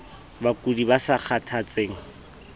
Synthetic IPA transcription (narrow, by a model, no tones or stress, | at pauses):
bakʼudibasak͡xʰatʰat͡sʼeːŋ̩